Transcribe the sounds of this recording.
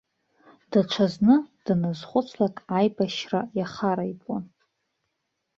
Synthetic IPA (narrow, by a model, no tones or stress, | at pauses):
d̥aʈ͡ʂʷʰaznɨd̥anɨzχʷʊt͡sʰlakʼajbʼaʃra̰jaχaɾaipʼon